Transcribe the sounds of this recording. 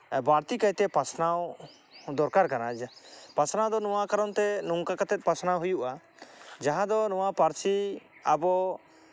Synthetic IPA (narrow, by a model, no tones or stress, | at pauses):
baɾt̪ikajt̪ɛpasʰnaw | d̪ɔɾkaɾkanapasnad̪ɔnɔwakaɾɔnt̪ɛnuŋkakat̪ɛt̪̚ˀpasnawɦujuʔa | d͡ʒaɦãd̪ɔnɔwapaɾsʰiabɔ